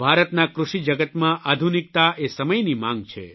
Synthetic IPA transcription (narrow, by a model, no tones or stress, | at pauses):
bʱaɾət̪nakɾuʃid͡ʒəɡət̪mãʔad̪ʱunik̚t̪aʔesəməjnimãŋɡt͡ʃʰḛ